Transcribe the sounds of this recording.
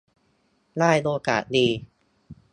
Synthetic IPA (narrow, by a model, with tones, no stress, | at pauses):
laː˥˩jloː˧ka̰ː˨˩t̪̚diː˧